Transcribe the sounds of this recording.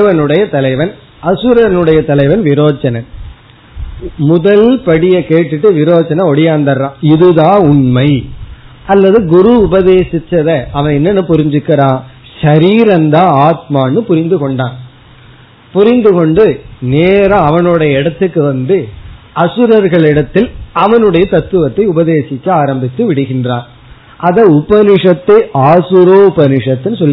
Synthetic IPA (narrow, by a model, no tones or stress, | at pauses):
ʋɐnɯɽɐjɐt̪ɐlɐɪʋɐn | ɐsɯɾɐnɯɽɐjɐt̪ɐlɐɪʋɐnʋɪɾoːt͡ʃɐnɐn | mʊðɐlpɐɽɪjɐkeːʈːɪʈːɯʋɪɾoːt͡ʃɐnɐ̃ɔɽɪjaːnd̪ɐɾɾãːɪðɯðãːʊɳmɐɪ | ɐlːɐðɯɡʊɾuʊbɐðeːsɪt͡ʃːɐðɐʔɐʋɐ̃ɛnːɐnːɯpʊɾɪɲd͡ʒɯkːɪɾãː | ʃɐɾiːɾɐnd̪ãːaːt̪̚maːnːɯpʊɾɪnd̪ɯkɔɳɖaːn | pʊɾɪnd̪ɯkɔɳɖɯneːɾɐ̃ɐʋɐnɯɽɐjɐɪɽɐt̪ːɯkːɯʋɐnd̪ɯʔɐsɯɾɐɾɣɐɭɪɽɐt̪ːɪlɐʋɐnɯɽɐjɐt̪ɐt̪ːɯʋɐt̪ːɐɪʊbɐðeːsɪkːɐaːɾɐmbɪt̪ːɯʋɪɽɯɣɪndraːn | ʔɐðɐʊbɐnɪʂɐt̪ːɐɪʔaːsɯɾoːʊbɐnɪʂɐt̪ːɪnːɯsɔlː